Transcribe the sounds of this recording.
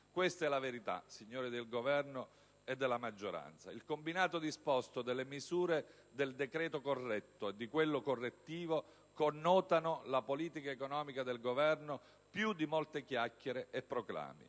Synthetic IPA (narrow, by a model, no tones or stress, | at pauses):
kwest̪ɛlaveɾit̪a̰siɲːoːɾid̪elɡovɛrno | ed̪ːelːamad͡ʒːoɾa̰nt̪sa̰ilkombinaːt̪od̪ispɔst̪od̪elːemizuːɾe | d̪eld̪ekɾɛːt̪okorːɛt̪ːoed̪ːikwelːokorːet̪ːiːvo | konːɔːt̪anolapoliːt̪ikaekonɔːmikad̪elɡovɛrno | pjud̪ːimolt̪ekjakːeɾeʔepːɾokla̰ːmḭ